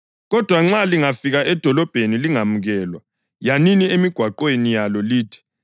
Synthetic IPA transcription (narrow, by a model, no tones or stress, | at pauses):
ɣɔd̥ʱwaŋ͡ǁaliŋafiɣaʔɛd̥ʱɔlɔb̥ʱeniliŋamuɣɛːlwa | janiniemiɡ̥ʱwaǃwenijalɔliːtʰi̥